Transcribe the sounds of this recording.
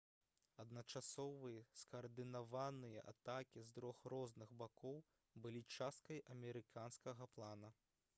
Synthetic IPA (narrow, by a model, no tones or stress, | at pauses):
ɐd̪nɐt͡ʂasɔvɨjɐskɐːrd̪ɨnavanɨjɐ̰ʔa̰t̪akʲizd̪ɾɔxɾɔznɨɣbakɔw | bɨlʲit͡ʂast̪̚kɐjʔɐmʲɛɾɨkanskɐɣɐplˠanɐ